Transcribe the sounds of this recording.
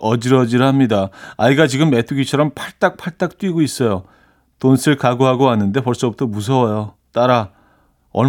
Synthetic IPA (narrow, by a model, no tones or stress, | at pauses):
ʌd͡ʑiɾʌd͡ʑiɾɦamɲidaaiɡat͡ɕiɡɯmːe̞tʰuɡit͡ɕʰʌɾʌmpʰaɭt͈ak̚pʰaɭt͈ak̚t͈wiɡois͈ʌjo | tonsʰɯɭkaɡoɦaɡoanːɯnde̞pʌɭs͈ʌbutʰʌmus̬ʰʌwʌjo | t͈aɾa | ʌ